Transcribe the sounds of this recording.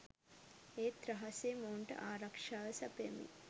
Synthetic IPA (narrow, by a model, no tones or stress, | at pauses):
eːt̪ɾɐɦaseːmoɳʈə̰ʔaːɾakʂaːʋəsɐpjamḭ